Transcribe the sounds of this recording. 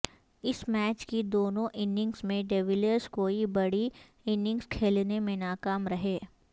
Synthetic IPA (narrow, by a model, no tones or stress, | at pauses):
ɪsmɛːt͡ʃkid̪oːnõʔɪnɪ̃ŋɡsmẽɖeːʋɪləɾskoːibɐɽi | ɪnɪ̃ŋɡskʰeːlnemẽnaːkaːmɾɐɦeː